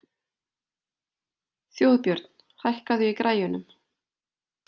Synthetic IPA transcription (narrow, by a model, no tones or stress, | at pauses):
θjoːwðpjœɾt̪n̥ | hajhkaðʏikɾʔaːjʏnʏm